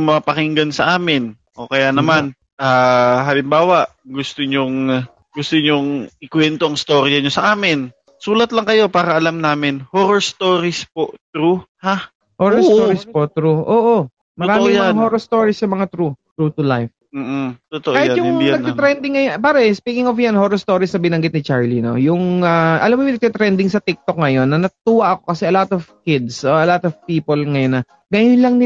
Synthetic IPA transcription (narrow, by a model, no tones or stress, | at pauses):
mɐpɐkɪŋɡɐnsɐʔaːmɪn | ʔo̞kɐjanɐman | ʔaːɦaːlɪmbaːwɐʔɡʊst̪oɲoŋ | ɡʊst̪oɲoŋɪkwɛnt̪oʔɐŋst̪o̞ɾjɐɲosɐʔaːmɪn | suːlɐt̪lɐŋkɐjo̞paːɾɐʔɐlamnaːmɪnhoɾost̪oːɾɪspoʔt̪ɾuha | hoɾɐst̪oɾɪspot̪ɾuʔoːʔo | mɐɾaːmɪŋmɐahoːɾost̪oɹisːɐmɐŋat̪ɾut̪ɾut̪ʊlajf̩ːt̪ʊt̪oʔkaːhɪtjʊŋnɐɡ̪̚ɛt̪ɾɛnd̪ɪŋːɐjonpaːɾɐspiːkɪŋɔfjanhoːɾost̪o̞ːɾisnɐbɪnɐŋɡɪt̪nɪt͡ʃaɹlino̞̰jʊŋaʔɐ̰lamːojʊ̃ŋɐɡ̚t̪ɛt̪ɾɛnd̪ɪŋsɐt̪ɪk̚t̪ok̚ŋɐjo̞nːɐnɐt̪uwɐʔɐko̞kɐsɛʔɐlat̪ɔvkɪd̪sʔoʔɐlat̪ɔvpiːpolŋɐjonːɐ | ŋɐjʊnlɐŋnɪ